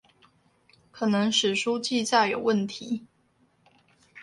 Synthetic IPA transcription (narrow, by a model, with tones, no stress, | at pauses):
kʰɤ˨˩nɤ˧˦˥ŋʂɻ̩˨˩ʂu˥t͡ɕi˥˧t͡sa˥˩ɪjo˨˩ʊwə˥˩nt̪ʰi˧˥˦